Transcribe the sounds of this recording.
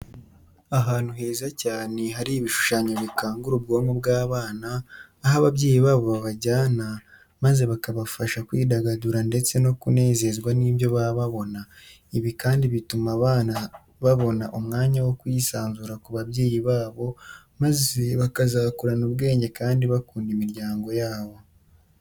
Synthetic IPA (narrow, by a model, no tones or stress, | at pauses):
aɦaːn̥uɦe̞ːzacaːne̞ɦaɾiβiʃu̥ʃaɲoβikaːŋɡuɾubɡo̞ːmobɡaːβaːnaː | ɦaβaβɟe̞ːjiβaːβo̞βaβaɟaːna | maze̞βakaβafaʃakwiːdaɡaduɾande̞t͡se̞no̞kune̞ːze̞zɡwaniːβjo̞βaβaβo̞na | iβikaːndiβitumaβaːna | βaβo̞naʔumŋaːɲawo̞kwiːsaːnzuɾakuβaβɟe̞ːjiβaːβo̞ | maze̞βakazaːkuɾanubɡe̞ːɲɟe̞kaːndiβakuːndimiɾɟaːŋɡo̞jaːβo̞